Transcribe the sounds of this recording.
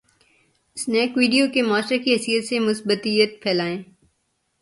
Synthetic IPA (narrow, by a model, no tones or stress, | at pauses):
snɛːkʋiːɖijokemaːʃɾekiɦɐsijət̪semʊsbət̪ijət̪̚pʰɛːlaːẽː